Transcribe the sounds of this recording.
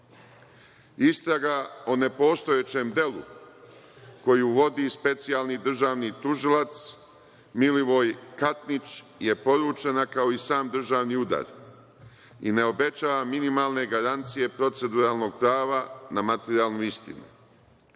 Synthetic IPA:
ist̪ɾaɡaone̞po̞ːst̪o̞jet͡ɕe̞ːmd̪e̞lṵ | ko̞juʋo̞d̪ispe̞t̪sialˠnid̪r̩ʒaːʋnit̪uʒilat̪s | miliʋo̞jkat̪nit͡ʃ | je̞po̞ɾuːt͡ʃenakao̞isaːmd̪r̩ʒaːʋniud̪a̰ːɾ | ḭne̞o̞be̞t͡ʃaːʋaminimaːlˠne̞ɡaɾant̪sije̞pɾo̞t̪se̞d̪uɾaːlno̞ɡ̚pɾaːʋanamat̪eɾiaːlˠnuist̪ḭnṵ

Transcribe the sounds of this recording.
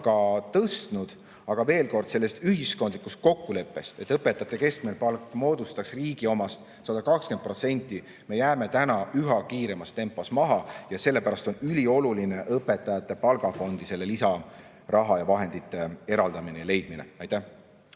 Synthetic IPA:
ɡ̥ɑt̪ɤst̪nud̪̥ | ɑɡ̥ɑve̞ːlko̞rd̪̥se̞lːe̞st̪yhisko̞nd̪likːˑust̪̚ko̞kːule̞pːˑe̞st̪e̞t̪ːˑɤpːˑet̪ːˑɑt̪ˑːe̞ke̞sk̪melpɑlkːˑmo̞ːd̪ust̪ɑksriːɡio̞mɑst̪ | sɑd̪̥ɑkɑkske̞nd̪̚pro̞t̪se̞nʲt̪ːˑi | me̞jæːme̞t̪ænɑyɦɑkiːɾe̞mɑst̪e̞mpːˑo̞smɑɦɑjɑse̞lːe̞pæɾɑst̪o̞nylʲio̞luline̞ʔɤpːˑe̞t̪ːˑɑjɑt̪ːˑe̞pɑlɡ̥ɑfo̞nd̪ise̞lːe̞lisɑ | rɑɦɑjɑvɑɦe̞nd̪̥it̪ːˑe̞e̞ɾɑld̪ɑminejɑle̞jd̪̥̚minḛɑjt̪ːæh

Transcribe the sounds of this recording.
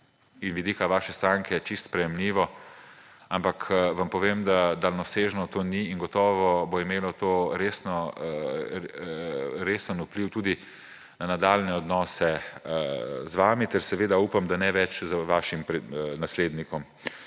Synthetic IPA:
inʋid̪iːkaʋaːʃɛst̪ɾaːŋkʰɛjɛt͡ʃist̪pɾɛjɛmliːʋɔ | ampakʋampɔʋemd̪ad̪alnɔseːʒnɔt̪oːniːŋɡɔt̪ɔːʋɔboimeːlɔt̪oːɾeːsnɔ | ɾeːsənupliwt̪uːd̪i | nanad̪aːlnɛɔd̪nɔːsɛ | zʋaːmit̪ɛɾsɛʋeːd̪auːpamd̪anɛʋɛt͡ʃzʋaːʃimpɾɛnasleːd̪nikɔm

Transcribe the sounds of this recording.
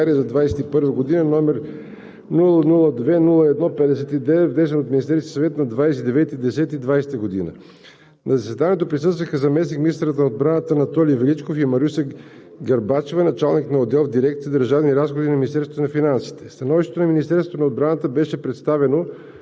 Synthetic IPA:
aɾiəzɐd̪vajsɛt̪ipɤɾvəɡod̪inənɔmɛɾ | nulˠənulˠəd̪vɛnulˠəɛd̪nɔpɛd̪ɛsɛt̪id̪ɛvɛt̪vnɛs̬ɛnot̪minist̪ɛɾsit̪i̥sɐvɛt̪nɐd̪vajsɛt̪id̪ɛvɛt̪id̪ɛsɛt̪id̪vajsɛ̥t̪əɡod̪ḭnə̰ | nɐzɐsɛd̪aniɛt̪̬opɾisɤst̪vəxəzɐmɛsnikmʲinist̪ɾət̪nɐod̪bɾanət̪ənɐt̪ɔlivɛlit͡ʃkofimɐɾusə | ɡɐɾbat͡ʃovənɐt͡ʃalˠniknɐod̪ɛlˠvd̪iɾɛkt̪siəd̪əɾʒavniɾasxod̪inɐminist̪ɛɾsvot̪onɐfinansi̥t̪ɛ̥st̪ɐnɔviʃt̪ɛt̪onɐminist̪ɛɾsot̪onɐod̪bɾanət̪əbɛʃɛpɾɛt̪st̪avɛno

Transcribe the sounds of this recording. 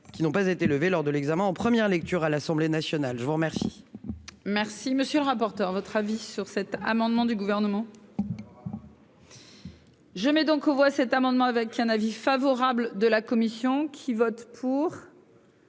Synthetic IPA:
kʲinɔ̃pazet̪eləvelɔʁd̪əlɛɡzamɛ̃ɑ̃pχəmjɛʁlɛk̚t̪yʁalasɑ̃blenasjɔnalʒəvuʁmɛʁsḭ | mɛʁsiməsjøləʁapɔʁt̪œʁvɔt̪χavisyʁsɛt̪a̰mɑ̃d̪mɑ̃d̪yɡuvɛʁnəmɑ̃ | ʒəmɛd̪ɔ̃kovwasɛt̪amɑ̃d̪mɑ̃avɛkɛ̃navifavɔʁabld̪əlakɔmisjɔ̃kʲʰivɔt̪pʰuʁ

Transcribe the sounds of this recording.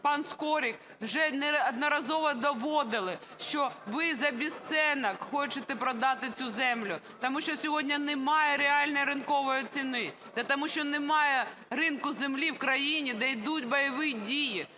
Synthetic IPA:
pɑnskɔɾʲik | wʒɛnɛɐd̪nɔɾɐzɔʋɔd̪ɔʋɔd̪ɪlˠɪ | ʃt͡ʃɔʋɪzɐbʲist̪sɛnɐkxɔt͡ʃɪt̪ɛpɾɔd̪ɑt̪ɪt͡sʲuzɛmlʲʊ | t̪ɔmuʃt͡ʃɔsʲɔɦɔdʲnʲɐnemɑjɛɾeɑlʲnɔjiɾɪnkɔʋɔjit͡sʲinɪ | d̪ɛt̪ɐmuʃt͡ʃɔnemɑjɛrɪnkʊzemlʲiwkɾɐjinʲid̪ɛjd̪utʲbɐjɐʋɪdʲiji

